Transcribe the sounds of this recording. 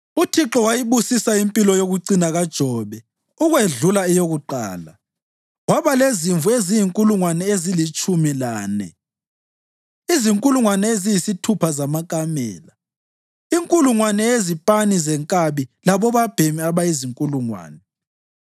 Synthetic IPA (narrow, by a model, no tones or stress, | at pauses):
utʰiǁɔwajiβusisaimpʼilɔjoɣuinaɣad̥ʒ̥ʱɔːβɛ | uɣweɮulaɛjoɣuǃa̰ːla | waβaleziɱvuezijiŋkʼuluŋwanɛezilit͡ʃʼumilaːnɛ̰ | iziŋkʼuluŋwanɛezijisitʰupʰazamakʼamɛ̰ːla | iŋkʼuluŋwanɛezipʼanizɛŋkʼaβilaβɔβab̥ʱemiaβaiziŋkʼuluŋwa̰ːnɛ